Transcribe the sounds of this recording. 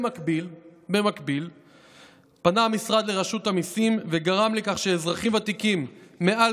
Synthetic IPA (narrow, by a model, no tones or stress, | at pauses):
abilbemakbil | panamisʁad̪le̞ʁaʃut̪amisimveɡaʁamlekaχʃeːzʁaχimat̪ikimːe̞ʔal